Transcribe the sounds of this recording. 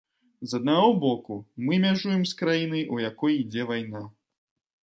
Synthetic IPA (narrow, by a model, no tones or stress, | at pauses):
zɐd̪̚naɣɔbɔkumɨmʲaʐujɛmskɾajinɨjʔujakɔjid͡zʲɛvajna